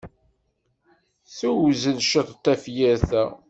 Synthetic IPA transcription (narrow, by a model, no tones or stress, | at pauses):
θuwzənʃət̪ˤt̪ːæfjæɾθæ